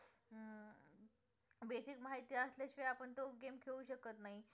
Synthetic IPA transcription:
beɕikmaɦajt̪ijaəsleɕʋeapəɳt̪oɡemkʰeʋuɕəkət̪naɦi

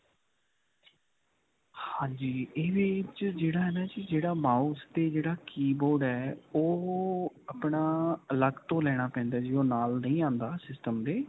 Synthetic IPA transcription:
hãːɲd͡ʒiːeːʋɪt͡ʃd͡ʒeːɽaːɦɛːnaːt͡ʃid͡ʒeːɽaːmaːust̪eːd͡ʒeːɽaːkiːboːɖɛːoː | apɳaːələɡt̪õːlɛːɽ̃aːpɛ̃ːnd̪aːd͡ʒiːoːnaːlnəĩːãːnd̪aːsɪsʈəmd̪eː

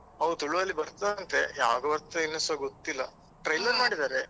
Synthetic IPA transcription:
ɐʋut̪uɭuʋɐlːibɐɾt̪aɐnt̪e̞jaːɡɐʋɐɾt̪ːɐinːɐsʋaɡot̪ːilːɐ | ʈɾɐjlɐmaːɽid̪aːɾe

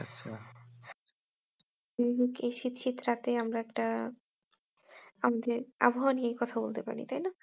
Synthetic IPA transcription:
a̰ːɕʰa̰ | kejʃit̪ʃit̪ɾat̪eamɾaɛkʈa | amad̪eɾa̰boɦaniejkɔt̪ʰabolt̪epa̰ɾḭt̪ajna

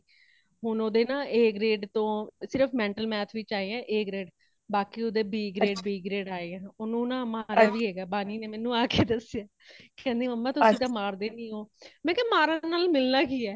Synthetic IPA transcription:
ɦʊnoːd̪eːnãːʔeːɡɾeːɖt̪õːsɪɾəpʰmɛ̃ːɳʈəlmɛːt̪ʰʋɪt͡ʃaːeːɛ̃ːʔeːkɾeːɖ | baːkiːoːd̪eːbiːɡɾeːʈbiːɡɾeːɖaːeːɛ̃ːoːnũːnãːmaːɾaːʋiːɦɛːɡaːbaːniːneːmɛ̃ːnũːaːkeːd̪əsjaː | kɛ̃ːnd̪iːməmːãːt̪ʊsĩːd̪aːmaːɾd̪eːnĩːɦoːmɛ̃ːkɛ̃ːmaːɾãːnaːlmɪlnaːkiːɛː

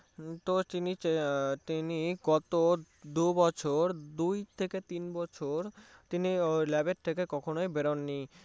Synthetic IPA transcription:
t̪ot̪init̪iniɡɔt̪o | d̪ubɔt͡ɕʰoɾd̪ujt̪ʰeket̪inbɔt͡ɕʰoɾt̪inilɛbeɾt̪ʰekekɔkʰonojbeɾonːi

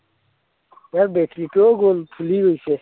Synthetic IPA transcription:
jaɾbeʈɾiʈoɡoːlpʰuliɡoise

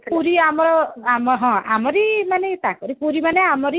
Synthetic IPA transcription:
puɾiamɔɾɔamɔɦɔ̃a̰mɔɾimanet̪akɔɾipuɾimaneamɔɾi

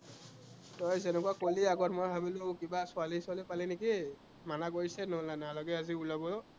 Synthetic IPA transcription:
tɔjzɛnɛkuakoliaɡɔtmojbʱabilokibasʊalisʊalipalineki | manaɡoɹsɛnolnanalaɡɛaziulabɔ

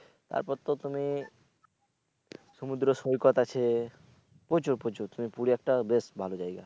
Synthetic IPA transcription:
t̪a̰ɾpɔɾt̪ot̪umi | sɔmud̪ɾɔsojkɔt̪at͡ʃʰe | pot͡ʃuɾpot͡ʃuɾt̪umipuɽiɛk̚ʈabesbʱalod͡ʒajɡa

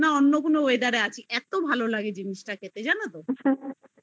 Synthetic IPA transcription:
naonːokonooed̪aɾaat͡ɕʰiʔɛt̪obʱalolaɡed͡ʑiniʃʈakʰet̪ed͡ʑanat̪o

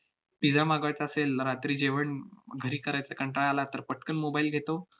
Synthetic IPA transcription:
pid͡zamaɡəɭt͡saəselɾat̪ɾiːd͡ʑeʋəɳɡʱəɾiːkəɾajt͡səkəɳʈɾaɭalat̪əɾpəʈʰkənmobailɡʱet̪o

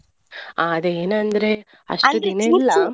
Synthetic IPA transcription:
aɐd̪eeːnɐnd̪ɐɾe̞ | ɐ̰ʂtud̪ineilːɐ

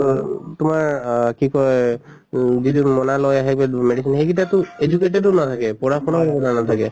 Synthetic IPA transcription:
tʊmaɹkikɔ | zidunmɔnalɔjaɦɛbɛmeɖisinxekitatʊed͡ʒukeʈ̬edɔnat̪ʰakɛpɔɹapʰɔnɔabɔnanat̪ʰakɛ

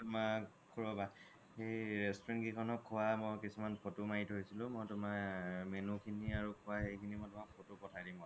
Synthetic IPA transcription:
tʊma | kʰuɹɔba | xejɹɛstɔɹɛnɡikʰɔnɔkʰːʊwamɔjkisumanpʰotumaitɦojsilʊ̃mɔjtʊmamenukʰiniaɹukʰʊwaxejkʰinimɔjtʊmapʰotʊpɔtʰajdimɔ

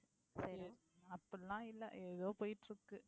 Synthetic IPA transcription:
sɐɾ | ɐpːɐlãːɪlːɐ̰ʔeːðoːpoːjɪʈːɾɯkːɯ

